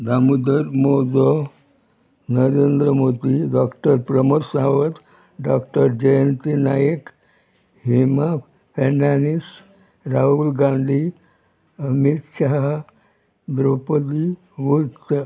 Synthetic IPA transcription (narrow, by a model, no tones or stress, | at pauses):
d̪ʱamud̪əɾmod͡zɔ | nəɾend̪ɾəmod̪iɖɔkʈəɾpɾəməɾsaʋət̪ | ɖɔkʈəɾd͡ʑejənt̪inajək | hima | fʰenanis | ɾaɦulɡãnd̪ʱi | əmit̪ɕaɦ | d̪ɾopəd̪i | ʋut̪